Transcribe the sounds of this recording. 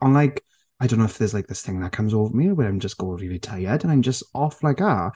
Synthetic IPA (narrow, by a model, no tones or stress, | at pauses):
ə̃nlaɪk | aɪdõʊ̃nːoʊɪfðəzlajk̚ðɪsθɪ̃ŋðət̚kʰʌ̃mzoːvəmiwɛlãɪ̃md͡ʒəsɡ̥oɪ̃ŋɹilˠitʰaɪədə̃nãɪ̃md͡ʒəstɔflaɪka